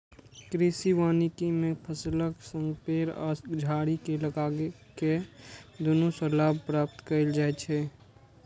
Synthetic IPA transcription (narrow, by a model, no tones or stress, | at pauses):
kɾisiʋaːnikimẽpʰəsləksə̃ŋɡpeːɾɔ̰ːd͡ʒʱaːɽikeləɡaːɡeked̪onusəlaːb̚pɾaːp̚t̪kəɾɪld͡ʒaːɛt͡ʃʰɛː